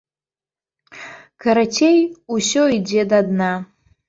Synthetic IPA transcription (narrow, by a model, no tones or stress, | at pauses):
kʰaɾatʰejusoid͡zedadna